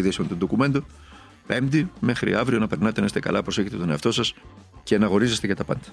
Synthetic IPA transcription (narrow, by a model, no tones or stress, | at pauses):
iðisimet̪und̪okume̞nd̪o | pe̞md̪ime̞xɾḭɐvɾio̞nɐpeɾnɐt̪e̞nest̪ekɐ̰lʔɐpɾo̞seçet̪e̞t̪o̞neɐft̪o̞sɐsce̞nɐɣo̞ɾize̞st̪eʝɐt̪ɐpɐ̰nd̪ɐ̥